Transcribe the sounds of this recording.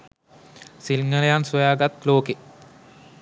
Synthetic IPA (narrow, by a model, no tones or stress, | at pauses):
silŋɡəlejansojaːɡat̪loːke